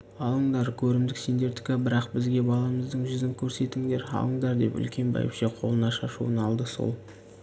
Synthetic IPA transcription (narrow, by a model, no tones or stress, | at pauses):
ɑlˠəɴd̪ɑɾkʲʰɵɾɪmd̪ɪkse̞nd̪e̞ɾt̪ɪ̥kʲɪbɪɾɑqbɪzɡʲe̞bɑlˠɑməzd̪əɴʒʏzɪŋkʲʰɵɾse̞t̪ɪŋd̪e̞ɾɑ̰lˠəɴd̪ɑɾd̪e̞̰pʏ̰lkʲe̞nbɑ̰jə̰pʃeqʰolˠənɑʃɑʃṵənɑlˠd̪əso̞̰lˠ